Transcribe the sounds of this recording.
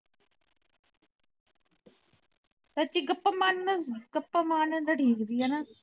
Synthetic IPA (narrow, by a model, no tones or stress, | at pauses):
sət͡ʃiːɡəpːəmanɡəpːəmaːnd̪aʈʰiːkd̪iːaːna